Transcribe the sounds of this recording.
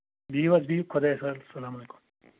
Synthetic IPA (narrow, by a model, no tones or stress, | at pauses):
biːʋɐzbiːkʰod̪ɐesɐlsɐlaːmɐleku̥m